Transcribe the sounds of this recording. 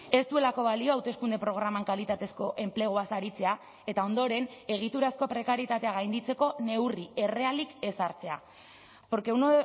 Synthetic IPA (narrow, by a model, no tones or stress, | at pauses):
e̞st̪ue̞lako̞βalio̞awt̪e̞skund̪e̞pɾo̞ɣ̞ɾamaŋkalit̪at̪e̞sko̞ʔe̞mple̞ɣ̞oasaɾit͡se̞a | e̞t̪ao̞nd̪o̞ɾe̞ne̞ɣ̞it̪uɾasko̞pɾe̞kaɾjit̪at̪e̞aɣajnd̪it͡se̞ko̞ne̞wrie̞re̞alike̞saɾt͡se̞a̰ | po̞ɾke̞un